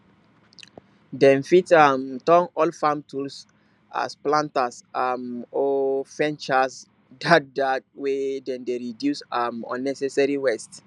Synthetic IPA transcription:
dɛ̃nfitamtɔ̃ŋɔlfãmtuls | a̰splãntasamɔfɛ̃nt͡ʃas | dat̚datwedɛ̃ndeɹidjusamɔ̰̃nːɛsɛsaɹiwɛst

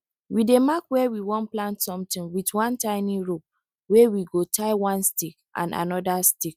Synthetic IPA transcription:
widemakwɛwiwɔ̃nplãntsɔ̃mtĩwitwɔ̃ntaɪniɹo | wewiɡotʰaɪwɔ̃nstikʔã̰na̰nɔdastik

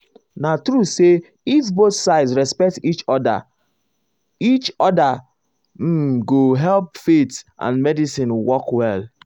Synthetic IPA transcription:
natɹuse | ifboθsaɪsɹɛspɛk̚tit͡ʃɔda̰ | it͡ʃɔda | m̩ɡoɦɛlpfetʔã̰nmɛdisĩnwɔkwɛl

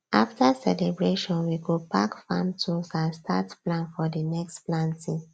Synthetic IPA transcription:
ʔaftasɛ̰lɛbɹeʃɔ̃nwiɡopakfã̰mtʰusãnstʰa̰tplãnfɔdənɛkstplãntĩ

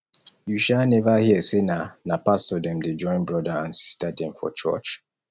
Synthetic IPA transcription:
juʃalnɛvahiəsenanapastɔdɛ̃mded͡ʒɔ̃ɪ̃nbɹɔdaãnsi̥stadɛ̃mfɔ̰t͡ʃɔ̰t͡ʃ

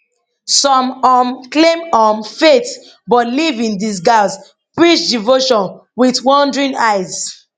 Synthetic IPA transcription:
sɔ̃mɔmklẽmɔmfet | bɔtlivĩndisɡalz | pɹit͡ʃdivoʃɔ̃nwiðwɔ̃ndɹĩnaɪz̥

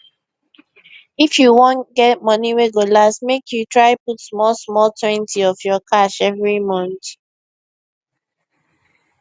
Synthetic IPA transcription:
ifjuwõnɡɛt̚mʌniweɡjulasmekʰjutɹaɪputsmɔlsmɔltʰwɛ̃ntʰiɔfjɔkʰaʃɛvɹimɔ̃nt

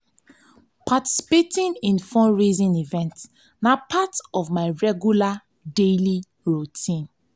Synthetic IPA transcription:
pʰati̥si̥petĩnĩnfɔ̃nɹizĩnivɛ̃nt | napʰatɔvmaɪɹɛɡjula | deli | ɹutʰĩn

